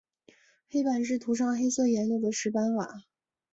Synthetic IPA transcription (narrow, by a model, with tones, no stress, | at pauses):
xe˥ɪpa˨˩nʂ̬ɻ̩˥˩t̪ʰu˧˥ʂ̬ɑ˥˧ŋxe˥ɪsɤ˥˩jɛ˧˥nljo˥˩d̪ə˩ʂɻ̩˧˥pa˥nwa̰˨˩˦